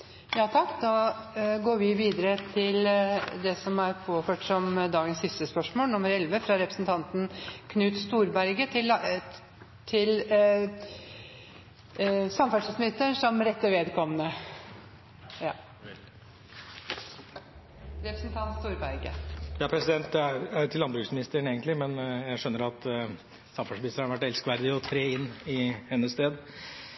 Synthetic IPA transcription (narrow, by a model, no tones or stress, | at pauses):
jɑːt̪ʰɑkːd̪ɑːɡoːɾʋɪʋiːd̪əɾət̪ʰɪld̪ɛsɔmæɾpʰoːføːʈsɔmd̪ɑːɡənsːɪst̪əspœʂmoːlnʊmːəɾɛlʋəfɾɑɾɛpɾəsn̩t̪ʰɑnt̪nkʰnʉːt̪st̪uːɾbæɾɡət̪ʰɪl | t̪ʰɪl | sɑmːəfæʂəsmɪt̪ːənʂɔmɾɛt̪ːəʋeːd̪kʰɔmənə | ɑ | ɾɛpɾəsnt̪ʰɑnt̪st̪uːɾbæɾɡə̰jɑːpʰɾɛsɪd̪ɛnt̪t̪ʰɪlːɑnbɾʉːksmɪnɪst̪əɾəɳeːɡənt̪lɪmɛnjæɪʂœnːəɾɑt̪ | sɑmfɑʂmɪɪst̪əɾhɑɾʋæʈːɛlskʋæɾd̪ɪɔt̪ʰɾeːɪnːɪhɛnːəst̪eːd̪